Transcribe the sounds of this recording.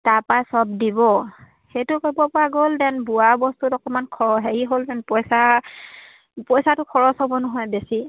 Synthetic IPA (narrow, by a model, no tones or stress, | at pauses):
taɹpasɔbdibɔ | xejtʊkojbɔpʊaɡoldɛnbuaɹbɔstutɔkɔmankʰɔɹɔɦeɹiɦoldɛnpɔjsa | pɔjsatʊkʰɔɹɔsɔbɔnɔɦɔjbesi